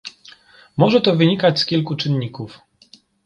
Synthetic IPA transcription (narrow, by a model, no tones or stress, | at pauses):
mɔʐɛt̪ɔvɘɲikat͡ɕskʲilkut͡ʂɘnɲikuf